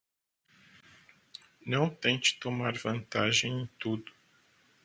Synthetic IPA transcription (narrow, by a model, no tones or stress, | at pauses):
nɐ̃w̃t̪ẽnt͡ʃɪ̥t̪omaɾvɐ̃nt̪aʒẽj̃ẽj̃t̪ud̪ʊ